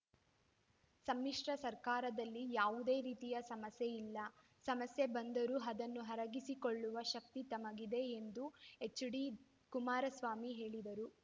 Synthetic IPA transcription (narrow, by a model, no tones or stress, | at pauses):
sɐmːiʂʈɐsɐɾkaːɾɐd̪ɐlːijaːʋud̪e̞ːɾiːt̪ijɐsɐmɐsjeilːɐ | sɐmɐsje̞bɐnd̪ɐɾuɦɐd̪ɐnːuɦɐɾɐɡisikoɭːuʋɐʃɐk̚t̪it̪ɐmɐɡid̪e̞end̪uet͡ʃːuɽi | kumaːɾɐsʋaːmiɦe̞ːɭid̪ɐɾu